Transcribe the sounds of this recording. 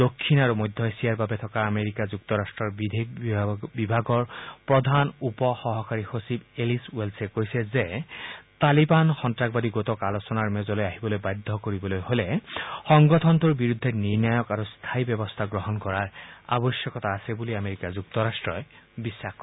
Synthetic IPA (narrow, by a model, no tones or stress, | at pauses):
d̪̥okʰːinaɹumɔjd̪ʱːɔesijaɹbabet̪ʰɔkaːmeɾikazukt̪ɔɾasʈɹɔɹbid̪ʱekbibʱaɡɔɹpɹɔd̪ʱanupɔxɔɦɔkaɹixosibelisuwelsekojseze | t̪alibanxɔntɹak̚bad̪iɡot̪ɔkalosɔnaɹmezɔlojaɦibɔlojbajd̪ʱːɔkoɹibɔlojholexɔŋɡɔt̪ʰɔnt̪uɹbiɹud̪ʱːeniɹnajɔkaɹust̪ʰajbɔbɔst̪ʰaɡɹɔɦɔnkɔɹaɹa̰bɔsjɔkɔt̪aːsebuliameɹikazuk̚t̪ɔɾasʈɹɔj | bisːaxk